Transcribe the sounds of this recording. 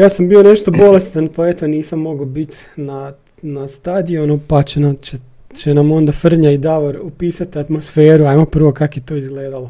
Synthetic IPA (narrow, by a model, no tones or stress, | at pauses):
jaːsambio̞ne̞ʃt̪o̞bo̞le̞st̪anpaet̪o̞niːsamːo̞ɡobit̪ʲ | na | nast̪ad̪ionupat͡ʃenae | t͡ʃenamo̞nd̪afr̩ɲaid̪aʋoɾupiːsat̪iat̪mo̞sfeːɾuajmopr̩ʋo̞kakjet̪o̞izɡleːd̪alo